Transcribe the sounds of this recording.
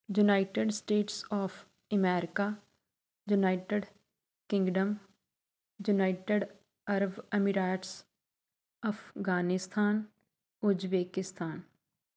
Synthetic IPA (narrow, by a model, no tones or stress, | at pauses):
jʊnaːɪʈeɖsʈeːʈsɔːfʰ | əmɛːɾɪka | junaːɪʈeɖ | kɪ̃ŋɡɖəm | junaːɪʈeɖ | ɐɾbemiɾaːʈs | əfʰɡaːnɪst̪ʰaːn | ʊd͡ʒbeːkɪst̪ʰaːn